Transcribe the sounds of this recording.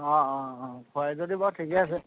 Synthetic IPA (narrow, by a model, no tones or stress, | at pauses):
ɔ̃ɔ̃ɔ̃kʰɔjzodibɔtʰikɛas̬ɛ